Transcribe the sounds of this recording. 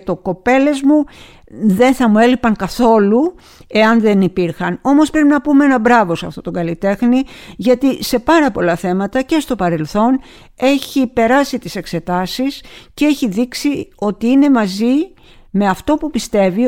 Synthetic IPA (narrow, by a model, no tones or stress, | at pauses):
t̪o̞ko̞pe̞le̞zmu | ðe̞nθɐmue̞lipɐŋkɐθo̞lu | e̞ɐnðe̞nipiɾxɐno̞mo̞spɾe̞pinɐpumeenɐbɾɐvo̞sɐft̪o̞t̪o̞ɡɐlit̪e̞xniʝɐt̪ise̞pɐɾɐpo̞lɐθe̞mɐt̪ɐce̞st̪o̞pɐɾe̞lθo̞n | e̞çipe̞ɾɐsit̪ise̞kse̞t̪ɐsiscee̞çiðiksio̞t̪iine̞mɐzi | me̞ɐft̪o̞pupist̪e̞vi